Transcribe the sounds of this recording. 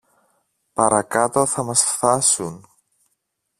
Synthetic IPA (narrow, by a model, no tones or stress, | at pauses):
pɐɾɐkɐt̪o̞θɐmɐsfθɐsun